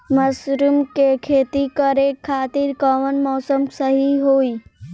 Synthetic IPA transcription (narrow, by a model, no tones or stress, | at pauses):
mɐsɾumkekʰeːt̪ikəɾekʰːaːt̪iɾkəʋənmɔːsəmsəɦiɦoːi